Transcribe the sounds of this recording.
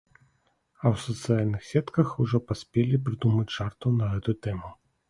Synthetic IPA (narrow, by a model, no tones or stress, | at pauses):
ɐwsɐt̪sɨjalʲnɨxsʲɛt̪kɐxuʐɔpasʲpʲelʲipɾɨd̪umɐt͡sʲʂart̪unɐɣɛt̪ujut̪ɛmu